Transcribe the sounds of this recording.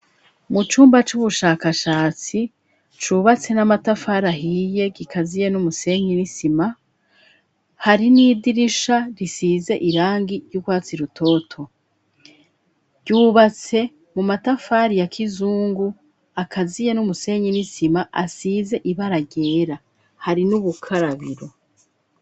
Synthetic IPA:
mut͡ʃuːmbat͡ʃuβuʃaːkaʃaːt͡si | t͡ʃuːβat͡se̞namatafaːɾaɦiːje̞ɡikʰazije̞numuse̞ɲinisima | haɾinidiɾiʃaɾisiːze̞ʔiɾaːŋɡiɾjuɡwaːt͡siɾutʰo̞ːtʰo̞ | ɟuːβat͡se̞ | mumatafaɾijakʰizuːŋɡu | akʰazije̞numuse̞ːɲinisimaʔasize̞ʔiβaɾaɟeːɾa | haɾinuβukʰaɾaβḭɾo̞

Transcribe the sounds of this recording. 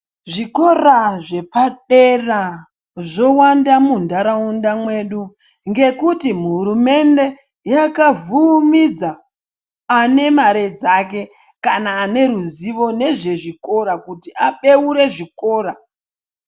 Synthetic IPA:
ʐiko̞raʐe̞paɗera | ʐo̞wandamundaɾaundamwe̞ɗu | ŋɡe̞kutimuɦuɾume̞nde̞ | jakavumid͡zaː | ne̞maɾe̞d͡zak̬e̞ | kanaːne̞ɾuziʋo̞ne̞ʐe̞ʐiko̞ɾakutiʔaɓe̞uɾe̞ʐiko̞ːɾa

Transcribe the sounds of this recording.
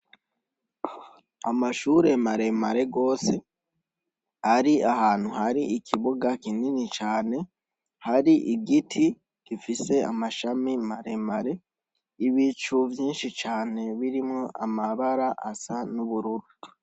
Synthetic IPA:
amaʃuːɾe̞maɾe̞maɾe̞ɡo̞ːse̞ | aɾiahaːn̥huhaɾiikʰiβuɡakininit͡ʃaːne̞ | haɾiʔiɡitʰi | ɡ̥ifise̞amaʃamimaɾe̞maɾe̞ | iβit͡ʃuvjiːnʃit͡ʃaːne̞βiɾimŋo̞ʔamaβaɾaʔasanuβuɾuɾu

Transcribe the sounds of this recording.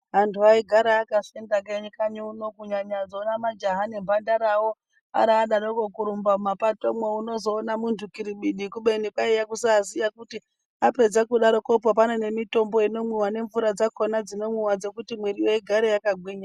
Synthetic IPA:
ɦantʰuaiɡʱaɾajakasendakeɲikaɲouno̞kuɲaɲad͡zoːnamad͡ʒaɦanembʱandaɾawo | a̰ɾaːɗaɾokokuɾumbamapatomweuno̞zo̞ːnamuntʰukiɾiɓiɗikuɓenikaijakusaːzijakuti | ape̞d͡zakuɗaɾo̞kop̬ap̬anene̞mito̞mbo̞ino̞mwiwane̞ɱvuɾad͡zakonad͡zino̞mwiwad͡ze̞kutimwiɾijoiɡʱaɾejakaɡʱwiːɲa

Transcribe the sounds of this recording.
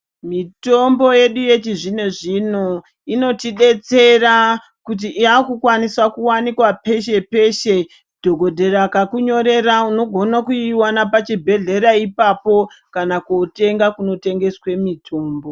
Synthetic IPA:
mito̞mbo̞je̞ɗuje̞t͡ʃiʐine̞ʐino̞ | ino̞tiɗe̞t͡se̞ra | kut̬iiakukwaniswakuwanikwape̞ʃe̞pe̞ʃe̞ | dʱo̞ɡʱo̞dʱe̞ɾakakuɲo̞ɾe̞rauno̞ɡʱo̞nakuiwanapat͡ʃibʱe̞ɮe̞ɾaipapo̞ | kanakote̞ŋɡakuno̞te̞ŋɡe̞swe̞mitʰo̞ːmbo̞

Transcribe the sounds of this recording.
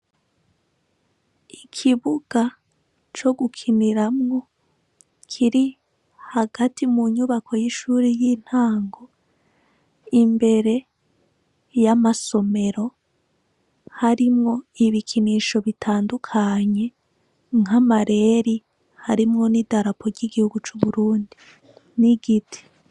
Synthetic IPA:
ikʰiβuɡ̥a | t͡ʃo̞ɡukʰiniɾamŋo̞ | kʰiɾi | haɡatimuɲuβakʰo̞jiʃuːɾijiːn̥haːŋɡo̞ | imbe̞ɾe̞ | jamaso̞me̞ɾo̞ | haɾimŋo̞iβikʰiniʃo̞βitʰaːndukʰaɲe̞ | ŋamaɾe̞ɾi | haɾimŋo̞nidaɾapʰo̞ɾɟiɡihuɡut͡ʃuβuɾuːndi | niɡitʰi̥

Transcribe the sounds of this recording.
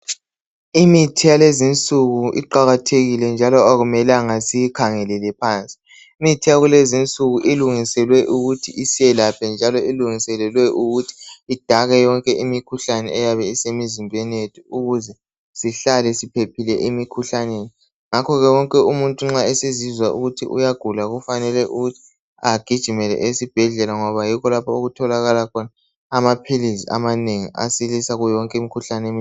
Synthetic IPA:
imitʰijalezint͡sʼuɣuʔḭǃaɣatʰeɣilɛnd͡ʒʱalɔaɣumɛlaŋasijikʰaŋɛlɛlɛpʰaːnt͡sʼi̥ | imitʰijaɣulezint͡sʼuɣuʔiluŋisɛlwɛʔuɣutʰiʔisijɛlapʰɛnd͡ʒʱalɔiluŋisɛlɛlwɛʔuɣutʰi̥ːd̥ʱaɣɛjɔŋkʼɛʔimikʰuɬanɛ̰ʔɛjaβɛisemizimbʱɛnetʰuuɣuzɛ | siɬalɛsipʰepʰilɛ̰ʔimikʰuɬaneːni | ŋakʰɔɣɛwɔŋkʼɛumuntʼuŋ͡ǁaesizizwaṵɣutʰḭʔṵjaɡ̥ʱulaɣufanɛlɛʔuɣutʰi̥ | aɡ̥ʱid̥ʒ̥ʱimɛlɛ̰ʔesib̥ʱɛɮɛlaŋɔβajikɔlapʰaoɣutʰɔlaɣalakʰɔnaː | mapʰilizia̰maneŋiʔa̰silisaɣujɔŋkʼɛimikʰuɬanɛem

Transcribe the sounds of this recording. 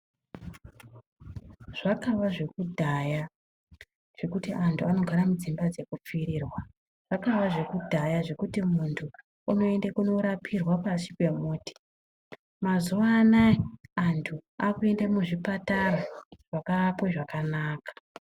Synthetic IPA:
ʐ̥akaʋaʐe̞kudʱaja | ʐ̥e̞kutiʔantʰuano̞ɡʱaɾamud͡zimbad͡ze̞kup͡fiɾiːrwa | ʐ̥akaʋaʐe̞kudʱajaʐe̞kutimuntʰu | uno̞e̞ndekuno̞ɾapʰirwapasikwe̞muːti̥ | mazuʋaːnaiantʰuakue̞ndemuʐipataraʐakapweʐakanaːkḁ

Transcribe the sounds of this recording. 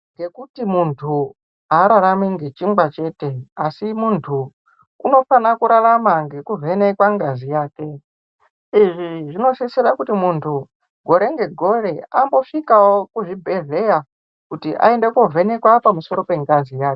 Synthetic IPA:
ŋɡe̞kutimuntʰu | aɾaɾamiŋɡe̞t͡ʃiŋbat͡ʃe̞ːte̞asimuntʰu | uno̞fanakuɾaramaŋɡe̞kuvʱe̞ne̞kwaŋɡazijaːke̞ | iʐiʐino̞sisirakutimuntʰu | ɡʱo̞ɾe̞ŋɡe̞ɡʱo̞ɾe̞ambo̞ʂikawokuʐibʱe̞ɮe̞ja | kutiʔa̰endekovʱe̞ne̞kwapamuso̞ɾo̞pe̞ŋɡazijaːke

